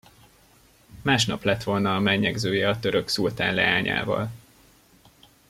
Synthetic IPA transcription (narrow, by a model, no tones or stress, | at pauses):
maːʃnɒplɛt̪ʋo̞lnɒːmɛɡɲːɛɡzøːjɛɒt̪ø̞ɾøksult̪a̰ːnlɛ̰aːɲa̰ːvɒ̰l